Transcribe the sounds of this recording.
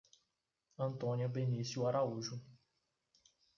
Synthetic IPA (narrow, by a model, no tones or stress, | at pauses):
ɐ̃nt̪õniɐbenisjuaɾauʒʊ